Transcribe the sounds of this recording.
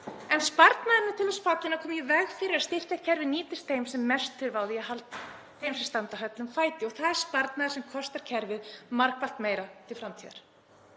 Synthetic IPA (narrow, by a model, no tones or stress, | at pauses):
ɛnspaɾt̪naðɪnɪt̪ʰɪlɛsfat̪lɪnakʰɔːmjɪvɛɣfɪɾɪɾast̪ɪr̥cacʰɛɾvɪniːt̪ɪst̪θejmsɛmːɛst̪ʰːɪɾvaːwðɪjɛɦalt̪ | θejmsɛst̪ant̪aɦœt̪lʏmfaːjt̪ɪɔɣθaðɛɾ̥spaɾt̪naðɪ̥sɛmkʰɔst̪aɾ̥cʰɛɾvɪðmaɾkval̥t̪mejɾat̪ʰɪlfɾamt̪ʰiːða̰ɾ̥